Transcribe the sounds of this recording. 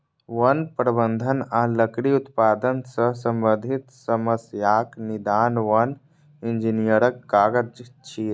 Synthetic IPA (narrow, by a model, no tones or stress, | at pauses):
ʋɐnpɾəbənd̪ʱənaːləkɾiʊt̪paːd̪ənsəsə̃mbəd̪ʱɪt̪səməsjaːknɪd̪aːnʋɐn | ɪ̃nd͡ʒinijəɾəkːaːɡəd͡ʒt͡ʃʰiːɾ